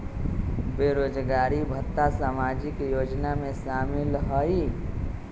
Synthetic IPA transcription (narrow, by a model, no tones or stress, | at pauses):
beːɾoːd͡ʒɡaːɾibʱət̪ːasaːmaːd͡ʒikjoːd͡ʒnamẽʃaːmɪlɦɔi